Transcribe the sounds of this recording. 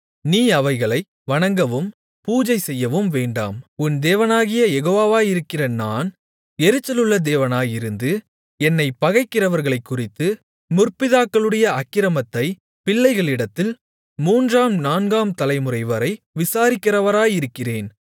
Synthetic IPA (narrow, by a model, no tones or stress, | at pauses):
niːɐʋɐɪɣɐɭɐɪ | ʋɐɳɐŋɡɐʋɯm | puːd͡ʒɐɪsɛjːɐʋɯmʋeːɳɖa̰ːmʊnd̪eːʋɐnaːɣɪjɐjɛɣoːʋaːʋaːjɪɾɯkːɪrɐnaːn | ɛɾɯt͡ʃːɐlɯɭːɐd̪eːʋɐnaːjɪɾɯnd̪ɯ | ɛnːɐɪpɐɣɐɪkːɪrɐʋɐɾɣɐɭɐɪkːʊrɪt̪ːɯ | mʊrpɪðaːkːɐɭɯɽɐjɐɐkːɪɾɐmɐt̪ːɐɪ | pɪɭːɐɪɣɐɭɪɽɐt̪ːɪl | muːndraːmnaːnɡaːmt̪ɐlɐɪmɯrɐɪʋɐɾɐɪ | ʋɪsaːɾɪkːɪrɐʋɐɾaːjɪɾɯkːɪreːn